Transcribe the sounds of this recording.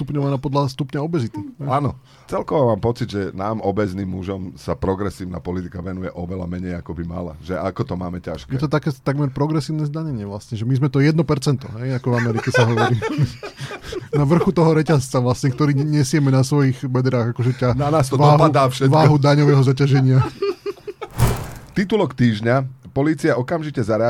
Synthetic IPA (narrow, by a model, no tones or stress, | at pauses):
t̪upɲɔʋanaːpɔd̪last̪upɲaɔbɛzit̪iɛaːnɔ | t͡sɛlkɔʋɔmaːmpɔt͡sid̪ʒɛnaːmɔbɛzniːmːuʒɔmsapɾɔɡɾɛsiːʊna̰pɔlit̪ikaʋɛnujɛʔɔʋɛla̰mɛɲɛjakɔbima̰la̰ʒɛʔakɔt̪ɔmaːmɛcaʃkɛjɛt̪ɔt̪akɛːt̪aɡmɛɾpɾɔɡɾɛsiːʊnɛːzd̪aɲɛɲɪɛʋlasɲɛʒɛmizmɛt̪ɔjɛd̪nɔpɛɾt͡sɛnt̪ɔ̰ɦɛjakɔvamɛɾicɛsaɦɔʋɔɾiː | naʋr̩xut̪ɔɦɔɾɛcast͡saʋlasɲɛkt̪ɔɾiːɲɛsɪɛmɛnasʋɔjiɣbɛd̪ɾaːɣakɔʒɛcananaːst̪ɔʋːɦaud̪aːfʃɛʋaːɦud̪aɲɔʋɛːɦɔzacaʒɛɲɪa | t̪it̪ulɔkt̪iːʒɲapɔliːt͡siaɔkamʒicɛzaɾɛ